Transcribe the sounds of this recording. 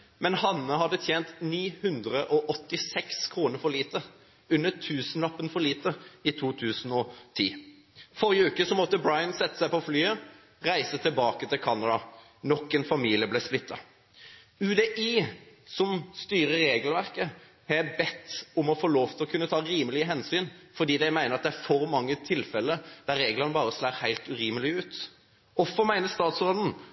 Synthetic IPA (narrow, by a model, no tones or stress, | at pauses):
mɛnhɑnːəhɑd̪ːət̪ʰjeːnt̪niːhʉnd̪ʁəʔɔʔɔt̪ːɪsɛkskʰʁuːnəɾfɔɭiːt̪ə | ʉnːət̪ʰʉːsənlɑpːənfɔɾɭiːt̪əit̪ʰuːt̪ʰʉːsnɔt̪ʰḭː | fɔɾʁɪəʉːkəsɔmɔt̪ːəbɾɑɪənsɛt̪ːə̥sæɪpɔflyːə | ʁæɪsət̪ʰɪlbɑːkət̪ʰɪlkʰɑnɑd̪ɑ | nɔkːɛnfɑmiːlɪəblɛsplɪt̪ʰːɑ̰ | ʉd̪ɛʔiːsɔmst̪yːɾəːeːɡəlʋæʁkə | hɑjæbɛt̪ːʊmɔfoːloːft̪ʰɪlɔkʰʉnːət̪ʰɑːɾiːməlɪəɦɛnsyːnfɔʁd̪iːd̪æɪmæɪnəɾɑt̪d̪ɛæɾfɔɾmɑŋːət̪ʰɪlfɛlːəd̪̥æɾeːɡlɑnəbɑːʁəslæːʁhæɪlt̪ʉɾiːməlɪʉːt̪ | ɔfɔmæɪnəst̪ɑːt̪sʁoːd̪n̩